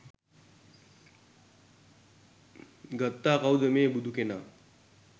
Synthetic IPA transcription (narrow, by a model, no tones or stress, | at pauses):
ɡət̪ːaːkawd̪əmeːbud̪ʱukenaː